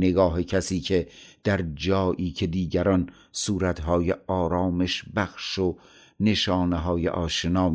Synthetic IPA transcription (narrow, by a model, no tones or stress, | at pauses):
neɡɒːɦecʰæsiːkʰed̪̥æɾd͡ʒɒːʔiːcʰe̞d̪iːɡæɾɒn | suːɾæt̪ɦɒːjeʔɒːɾɒːmeʃbæxʃo | ne̞ʃɒːneɦɒːjḛʔɒːʃenɒːm